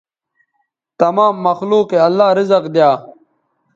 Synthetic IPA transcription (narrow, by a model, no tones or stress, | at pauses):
t̪ɐmaːmːɐxluːqeɐlːaːɾizɐqd̪jaː